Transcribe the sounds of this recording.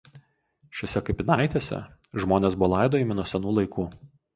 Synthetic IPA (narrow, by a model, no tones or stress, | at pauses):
ʃʲɛsʲɛkɐɪpʲɪnɑˑɪt̪ʲeːsʲɛ̰ʒmoːnʲeːsbʊʋɔːlˠɑˑɪd̪oːiˑmʲɪnuɔsʲɛnuːlˠɐɪkuː